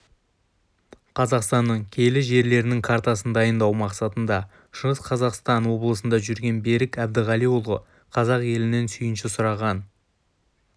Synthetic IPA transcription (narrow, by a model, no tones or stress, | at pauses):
qʰɑzɑqst̪ɑnːəɴkʲʰe̞lɪʒe̞ɾle̞ɾɪnɪŋkʰaɾt̪ɑsənd̪ɑjənd̪ɑwmɑqsɑt̪ənd̪ɑ | ʃəʁəsqʰɑzɑqst̪ɑnwo̞blˠəsənd̪ɑʒʏɾɡʲe̞nbe̞ɾɪkæb̚d̪ɪʁɑlijwulˠʁə̰ | qʰɑzɑqje̞lɪne̞nsʏjɪnʃɪsʊɾɑʁɑn